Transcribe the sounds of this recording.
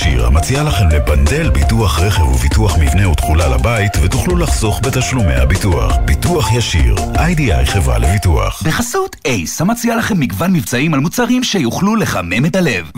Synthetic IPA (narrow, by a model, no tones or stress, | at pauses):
ḭʁha̰mat͡sialaχemlebande̞lbituaχʁeχevuvituaχmivneut̪χulala̰baitvet̪uχlulaχso̞χbetaʃlume̞̰habitua̰χb̥ituaχjaʃḭʁajdia̰jχe̞vʁa̰levitua̰χbeχasutejshamat͡sialaχe̞mːiɡvanmivt͡saimalmut͡saʁimʃejuχluleχame̞metale̞v